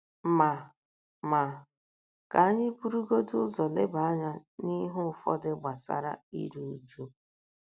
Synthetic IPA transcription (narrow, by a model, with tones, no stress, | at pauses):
ma˨ | ma˨ | ka˨a˦ɲɪ˦pu˦ɾu˦ɡo˦tu˦zɔ˨lɪ˦ba˨a˦ɲa˦ni˦ɦʊ˦˨fɔ̰˦dɪ˦ɡ͡ba˨sa̰˦ɾa̰˦ḭ˦ɾu˨u˨d͡ʒu˦